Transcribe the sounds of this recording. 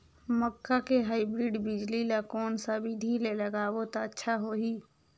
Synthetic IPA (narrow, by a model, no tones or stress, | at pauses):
məkːakeɦaːibɾiɖbɪd͡ʒlilakɔːnsabid̪ʱileləɡaːʋot̪aətːʃʰaɦoɦiː